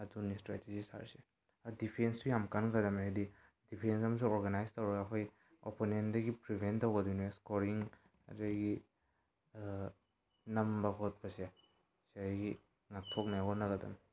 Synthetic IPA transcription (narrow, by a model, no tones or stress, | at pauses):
ɐdunistɾa̰tezisa̰ɾse | adipʰenstujamkanɡɐdɐmeadi | dipʰensɐmɐs̬uŋoɾɡanajstɐwɾɐɡaːkʰoj | o̰ponendɐɡipɾibʱentːɐwɡɐduneskoɾiŋ | ɐ̰dajɡi | nɐmbɐkʰot̚bɐse | sejɡi | ŋak̚tʰok̚najɔnɐɡɐdɐ̰m